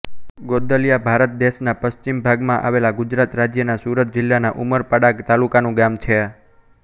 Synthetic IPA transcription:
ɡod̪əljabʱaɾət̪̚d̪eʃnapəst͡ʃimbʱaɡmãʔa̰ʋelaɡʊd͡ʒɾat̪ɾad͡ʒjənasuɾət̪̚d͡ʒɪlːanaʔuməɾpəɽaɡt̪alukanũɡamt͡ʃʰe

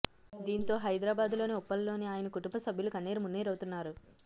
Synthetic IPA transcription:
d̪iːnt̪o̞ːɦɐjd̪ɾaːbaːd̪lo̞ːneɔpːɐllo̞ːniaːjɐnɐkuʈumbɐsɐbʱjulukɐnːiːɾɐmunːiːɾɐwt̪unːaːɾu

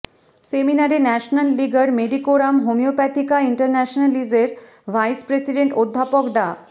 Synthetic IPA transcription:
seminaɾinɛʃonalːiɡaɾmed̪ikoɾamɦomiopɛt̪ikaiɳʈəɾnɛʃonalid͡ʑeɾ | ʋʱajspɾesiɖeɳʈod̪ʱːapokɖa

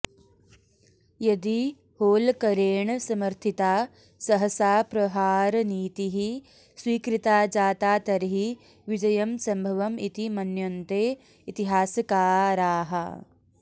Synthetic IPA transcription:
jɐd̪i | hoːlkɐɾeːɳsɐmɐɾt̪ʰit̪aː | sɐɦɐsaːpɾɐɦaːɾniːt̪iɦi | swiːkɾit̪aːd͡ʒaːt̪aːt̪ɐɾɐɦi | ʋid͡ʒɐjɐmsɐmbʱɐʋɐmit̪imɐnjont̪eː | it̪iɦaːsɐkaːɾaːɦɐ̰

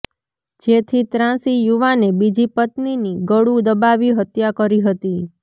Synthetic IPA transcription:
d͡ʒet̪ʰit̪ɾãsijuʋanebid͡ʒipət̪niniɡəɽũd̪əbaʋiɦət̪jakəɾiɦət̪i

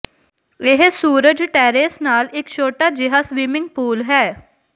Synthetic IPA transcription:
ɪɦsuːɾəd͡ʒʈɛːɾeːsnaːlɪkt͡ʃʰoːʈaːd͡ʒɪɦaːsʋiːmɪ̃ŋɡ̚puːlɦɛː

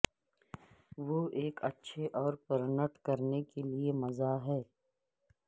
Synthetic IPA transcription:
ʋoeːkɐ̰tːʃʰeʔɔːɾpɐɾnəʈkɐɾnekeliemɐzaɦɛː

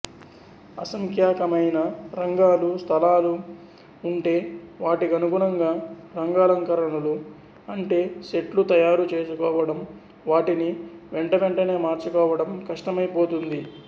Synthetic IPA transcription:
ɐ̰sɐŋkʰjaːkɐmɐjnɐɾɐŋɡaːlust̪ʰɐlaːluː | ɳʈe̞ːʋaːʈiɡɐnuɡuɳɐŋɡaːɾɐŋɡaːlɐŋkɐɾɐɳɐlu | ɐɳʈe̞ːʃe̞ʈlut̪ɐjaːɾut͡ʃe̞ːsukɔːʋɐɽɐm | ʋaːʈiniʋeɳʈɐʋeɳʈɐne̞ːmaːɾt͡ʃukɔːʋɐɽɐmkɐʂʈɐmɐjpo̞ːt̪und̪i

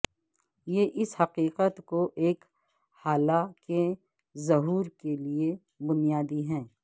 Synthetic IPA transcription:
jeʔɪshɐqiːqət̪koʔeːk | haːlake | zɐɦuːɾkelie | bʊnijaːd̪iɦɛ̃ː

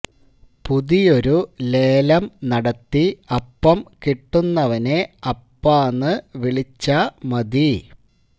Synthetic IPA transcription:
puðijo̞ɾule̞ːlɐmnɐɽɐt̪ːiɐpːɐmkiʈːunːɐʋɐne̞ɐpːaːnːɨʋiɭit͡ɕːɐmɐd̪i

